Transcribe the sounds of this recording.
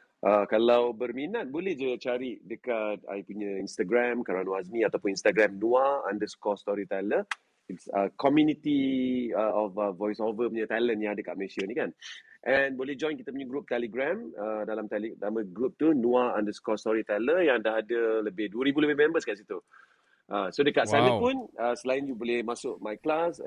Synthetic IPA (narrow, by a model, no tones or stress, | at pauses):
ʔəkalawbərminat̪̚bolehd͡ʒət͡ʃaɾiʔdəkat̪̚a̰jpuɲə̃inst̪aɡɾɛmkaɾanuas̬mĩat̪awpʊninst̪aɡɾãmnuaa̰ndəskɔst̪ɔɾit̪alə | itsəkɔmjunit̪iəʔɔfəvɔjsɔvəpuɲə̃t̪alənjãŋadəka̰ʔməesianikanʔɛ̃nbolɛhd͡ʒɔ̃j̃nkit̪əpuɲəɡɾup̚t̪ɛliɡɾɛ̃mədalamt̪ɛlidamə̃ɡɾup̚t̪unuaandəskɔst̪ɔɾit̪ɛləjãŋdaɦadələbɪhduəɾibuləbɪhmɛ̃mbəskaʔsit̪u | ʔəsodəkaʔsanəpunəsəlajinjubolɛhmasʊʔmajklas